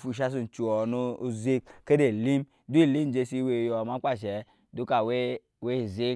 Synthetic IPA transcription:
fu˨ʃ̬a˦s̬u˨n˨t͡ʃu˨o˨nu˦zi˦kke˦de˨li˦m | du˦i˦˨li˦m˦d͡ʒe˦si˦we˨jma˦kʷa˦˨ʃe˨ | du˦ka˨we˦ | we˦˨zi˦

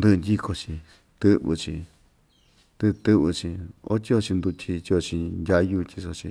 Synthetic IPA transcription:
nd̪ɨ˧nd̪ʲi˦kʰo˧t͡ʃĩ˧ | t̪ɨ˦βɨ̰˧t͡ʃḭ̃˧ | t̪ɨ˧t̪ɨ˦βɨ˧t͡ʃĩ˧o̰˦t̪ʲi˦o˧t͡ʃi˧nd̪u˧t̪ʲʰi˧t̪ʲi˧o˧t͡ʃĩ˧ndʲa˧ju˦˧t̪ʲi˧so˧t͡ʃḭ̃˧

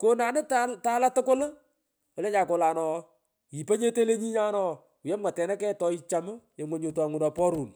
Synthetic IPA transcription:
ko˦naː˨nɪ˦tata˦la˦tʊ˦kʊ˦l | ɔ˨lɛ˦ɲaː˨ko˨laː˨nɔ˨ | i˨pa˦ɲe˦te˦le˦ɲi˦ɲa˦nɔ˨ | jɛ˦mŋa˨tɛ˨na˦kɛ˦tɔ˨i˦t͡ʃa˨mʊ˦je˨ŋwo˨ɲo˨ta˨ŋʊ˨nɔ˨pɔ˦ɾuː˨n

